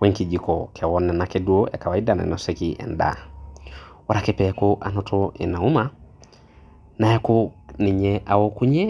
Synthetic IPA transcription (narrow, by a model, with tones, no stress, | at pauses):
wɛ˦ŋki˨d͡ʒi˨kɔ˨kʰɛ˨wɔnːɛ˨nakɛdu˦o˦ɛ̰˨ka˨wa˨i˦da˨nɛ̰˨nɔsɛkiʔɛ̰˨nda̰˨ | wa˦ɾa˨kɛ˦pɛkoʔa̰˨nɔtʰɔɛ̰˨na˨u˦ma˦ | na˨jɛ˦ko˦nɪ˨ɲɛʔa˨wɔ˦ku˦ɲɛ˦